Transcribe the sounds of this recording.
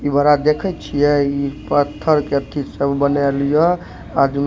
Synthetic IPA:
ibəɾad̪ekʰɛt͡ʃʰijɛipət̪ʰːəɾkeət̪ʰit̪səbbənelijɔ | ad͡ʒin

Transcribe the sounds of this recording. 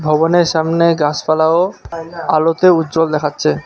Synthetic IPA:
bʱɔboneɾʃamneɡasfalao | alot̪eutːd͡ʑold̪ɛkʰatːɕʰe

